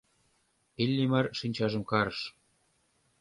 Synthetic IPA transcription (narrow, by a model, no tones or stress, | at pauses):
ilʲːimɑrʃinʲt͡ɕɑʒə̆mkɑɾɤʃ